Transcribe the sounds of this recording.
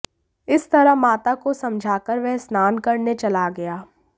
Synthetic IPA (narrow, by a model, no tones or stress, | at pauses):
ɪst̪ɐɾəɦmaːt̪akosɐ̃md͡ʒʱaːkəɾʋɛɦsnaːnkɐɾnet͡ʃɐlaɡɐjaː